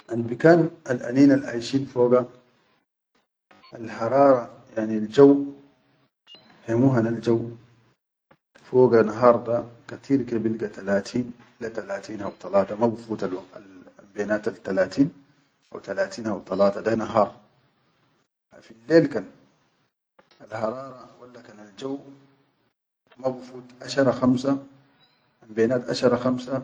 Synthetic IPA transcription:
ʔanbikaːnalʔa̰niːnalʕa̰jʃiːnfoːɡa | ʔalħɑɾˤɑːɾˤɑ | jaʕnild͡ʒaw | hemuːɦanald͡ʒaw | foːɡanaɦɑːɾˤd̪akat̪ʰiːɾkebilɡat̪alaːt̪ʰiːn | lat̪alaːt̪iːnhawt̪ˤɑlɑːt̪ˤɑmabufuːt̪alwaɡt̪a̰lambeːnaːt̪alt̪ːalaːt̪iːn | ʔa̰wt̪alaːt̪iːnhawt̪ˤɑlɑːt̪ˤɑd̪anaɦɑːɾˤ | filːeːlkan | alhɑɾˤɑːɾˤɑwalːakanald͡ʒaw | mabufuːt̪ʔaʃɑɾˤɑxamsa | ʔambeːnaːt̪ʔa̰ʃɑɾˤɑxamsa

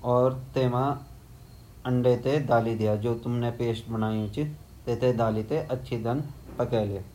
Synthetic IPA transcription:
ɔːɾt̪eːmã | ə̃ɳɖet̪ed̪aːlid̪ijaːd͡ʒoːt̪ʊmnepeːsʈbənaːjĩt͡ʃt̪eːt̪ed̪aːlit̪eʔətːʃʰid̪ənpəkɛːle

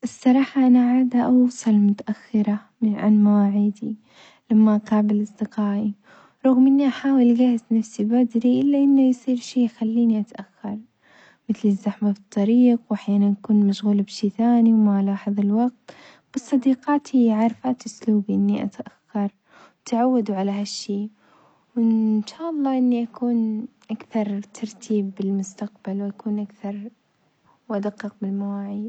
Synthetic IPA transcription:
ʔɪsˤːɑɾˤɑːħɑʔanaʕaːd̪aʔɑwsˤɑlmʊt̪aʔaxːɪɾa | ʕa̰nmawaːʕiːd̪i | lamːaʔqɑːbɪlʔɑsˤd̪ɪqɑːʔi | ɾˤɑɣmʔɪnːiʔaħaːwɪlɡahɪznafsibad̪ɾiʔɪlːaʔɪnːajsˤiːɾʃeːxalːiːniʔat̪ʔaxːɑɾˤ | mɪθlɪzːaħmafɨt̪ˤːɑɾiːqwʔaħjaːnanjakuːnmaʃɣulbʃiːθaːniwmaʕlaaħðˤɪlwɑɡ̚t̪ | b̥ɨsˤːɑd̪iːqɑːt̪ʰhiʕɑɾˤfaːt̪ʔʊsluːbiʔɪnːiʔa̰t̪ʔaxːɑɾˤ | t̪ʕawːad̪uʕalaɦaʃːiː | wɪnʃaːʔɑlˤːɑːʔɪnːiʔakuːn | ʔakθɑɾˤt̪ʰɑɾˤt̪ʰiːbːɪlmʊst̪aqbalwʔakuːnʔakθɑɾˤ | wʔad̪aqːɨq̚bɪlmawaːʕi

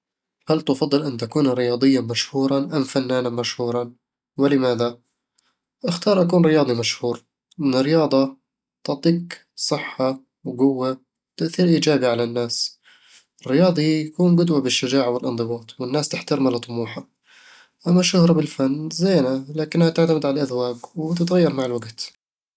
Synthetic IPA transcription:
halt̪ʊfɑd̪ˤːɨlʔɪnːt̪akuːnɾɪjɑːd̪ˤɨjːamaʃhuːɾˤɑʔamfanːaːnamaʃhuːɾˤɑ | wɪlɪmaːða | ʔɪxt̪ɑːɾˤʔakuːnɾɪjɑːd̪ˤimaʃhuːɾ | ʔɪnːɪɾɪjɑːd̪ˤɑ | t̪ɪʕt̪ˤiːk | sˤɨħːa | wɡʊwːa | wt̪aʔθiːɾʔiːd͡ʒaːbiʕalanːaːs | ʔɪrːɪjɑːðˤijakuːnɡʊd̪wabɪʃːad͡ʒaːʕawɪlʔɨnd̪ˤɨbɑːt̪ˤwɪnːaːst̪ɪħt̪aɾmalɑt̪ˤːʊmuːħa | ʔamːaʃʊhɾˤɑbɪlfanːzeːnalaːkɪnːhat̪ɪʕt̪amɪd̪ʕalalʔaðwaːɡwt̪ɪt̪ɣajːɑɾˤmaʕɪlwaɡt̪

